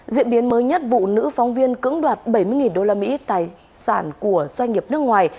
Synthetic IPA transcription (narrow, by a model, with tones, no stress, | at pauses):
zḭ˧˨əmɓi˨˦ənməː˨˦jɲə˦˥t̚vṵ˧˨nɨ̰˧˥fa˨˦wŋ͡mvi˧ənkɨ̰˧˥əŋɗwaː˨˩t̚ɓə˧˩jmɨ˧əjŋi˨˩nɗo˧laː˧mḭ˧˥t̪aː˨˩j | saː˧˩nku˧˩əz̥wa˧ŋ̟ŋi˨˩əp̚nɨ˦˥ək̚ŋwaː˨˩j